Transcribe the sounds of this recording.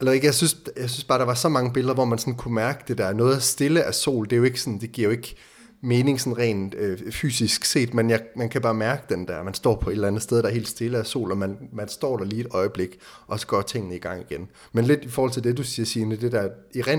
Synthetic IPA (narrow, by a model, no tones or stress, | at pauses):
ælɐeɡ̥əjaɪsynsjäɪsynsb̥ɑ̈ːɾ̥ɑ̈ʋɑ̈sɒ̽mɑ̈ŋəb̥e̝ləðˠɐʋɒmænsɒ̽nkʰumæɐɡ̥əd̥e̝d̥æɐnɔ̽ːð̩ˠæsd̥e̝ləʔæso̝̰ːld̥e̝jo̝e̝ɡ̥əsɔ̽nd̥e̝ɡ̥iɐ̰o̝e̝ɡ̥ə | me̝ːne̝ŋsɒ̽nʁɛ̰ːnøfy̰ːsisɡ̥se̝̰ːd̥menjɑ̈ɪmænkʰæb̥ɑ̈ːmæɐɡ̥əd̥end̥æɐmænsd̥ɒ̰ːpʰɒ̽e̝d̥lænð̩ˠsd̥eðˠdɑæɐe̝̰ːld̥sd̥e̝ləæso̝̰ːlɒ̽mænmænsd̥ɒ̰ːd̥ɑliːed̥ɒ̽ɪəb̥le̝ɡ̥ʔɒ̽sɒ̥̽ɡ̥ɶ̰ɐːt͡sʰe̝ŋ̰ənəiɡ̥ɑ̈ŋ̰iɡ̥en | menle̝d̥ifɒɔːhɒlt͡sʰe̝ld̥e̝d̥usiːɐsiːɐned̥e̝d̥æɐiʁɛ